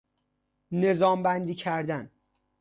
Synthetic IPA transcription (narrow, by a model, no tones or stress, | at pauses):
ne̞zɒːmbænd̪iːcʰæɾd̪æn